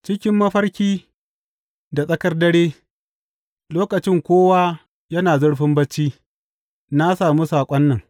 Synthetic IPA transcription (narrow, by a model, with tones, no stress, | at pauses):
t͡ʃɪ˦kʲɪ˦mːɐ˦ɸɐ˦rkʲiː˦ | da˨sʼɐ˦kɐ˦rdɐ˦ɽeː˦ | loː˦kɐ˨t͡ʃɪ˦ŋkʷoː˦wa˦ | jɐ˦naː˨zʊ˦ɽɸɪ˦mbɐ˦t͡ʃːiː˦ | na˦saː˨mu˦saː˨kʷʼɐ˦nːɐ˨ŋ